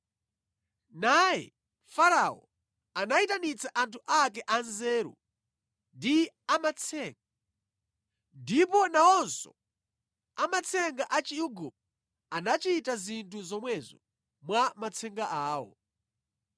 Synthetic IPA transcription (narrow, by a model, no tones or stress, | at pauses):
najɛ̰ | faɾaɔ | anaitanit͡saʔantʰuʔakɛʔanzɛːɾṵ | ndi | amat͡sʰɛŋɡa | ndipɔnaɔnsɔ̰ | amat͡sʰɛŋɡaʔat͡ʃiuɡu | anat͡ʃitazintʰuzɔmwɛzɔ | mwamat͡sʰɛŋɡaʔaːwɔ̰